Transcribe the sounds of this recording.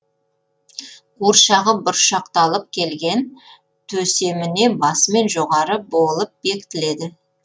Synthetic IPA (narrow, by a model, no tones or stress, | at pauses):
quɾʃɑʁəbʊɾʃɑqt̪ɑlˠəp̚kʲʰe̞lɡʲe̞n | t̪ʰɵse̞mɪne̞bɑsəme̞nʒoʁɑɾəbolˠəp̚be̞kʲɪt̪ɪle̞d̪ɪ